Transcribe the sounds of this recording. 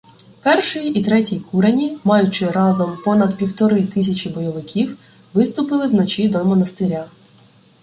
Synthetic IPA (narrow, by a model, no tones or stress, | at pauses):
pɛrʃɪjit̪ɾɛtʲijkʰuɾɐnʲimɑjʊt͡ʃɪɾɑzɔmpɔnɐd̪̚pʲiwt̪ɔɾɪt̪ɪsʲɐt͡ʃʲibɔjɔʋɪkʲiw | ʋɪst̪ʊpɪlˠɪwnɔt͡ʃʲid̪ɔmɔnɐst̪ɪɾʲa